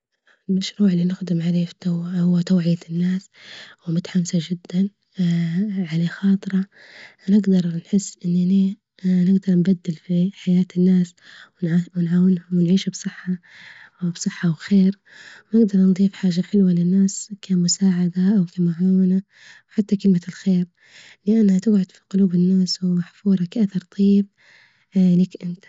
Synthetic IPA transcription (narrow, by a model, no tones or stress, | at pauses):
lmaʃɾuːʕɪlːinɪxd̪ɪmʕaleːfi̥t̪awhʊwːat̪awʕɪjanːaːs | wɪmʊt̪ḁħamsaʒɪd̪ːan | ʕaleːxɑːt̪ˤɨɾˤɑ | nɪɡd̪ɑɾˤnħɪsːʔɪnːni | nɪɡd̪ɑɾˤnbad̪ːɪlfiħajaːt̪ɪnːaːswnwnʕaːwɪnhʊmwɪnʕiːʃubsˤɨħːa | bsˤɨħːɑwxeːɾ | wnɪɡd̪ɑɾˤnd̪ˤiːfħaːʒaħɪlwalɪnːaːskʰamʊsaːʕad̪aʔawkamaʕawna | wħat̪ːakɪlmalxeːɾ | lɪʔanːhat̪ɪɡʕʊd̪̥fi̥qʊluːbɪnːaːswɪmaħfuːɾˤɑkaʔaθɑɾˤt̪ˤɑjːɪb̚ | likʔɪnt̪ḁ